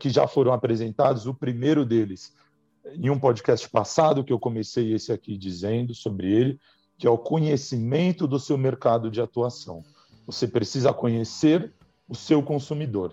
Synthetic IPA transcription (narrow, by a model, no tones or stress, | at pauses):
kɪʒa̰foɾɐ̃w̃apɾezẽnt̪ad̪ʊzʊpɾimejɾʊd̪elɪs | ẽj̃ũpɔd͡ʒikɛst͡ʃɪ̥pasad̪ʊkɪewkõmesejesɪakid͡ʒizẽnd̪ʊsobɾɪelɪ | kɪɛʊkõɲesimẽnt̪ʊd̪ʊsewmeɾkad̪ʊd͡ʒɪat̪uasɐ̰̃w̃ | vosepɾesizɐkõɲeseɾ | ʊsewkõsumid̪oɾ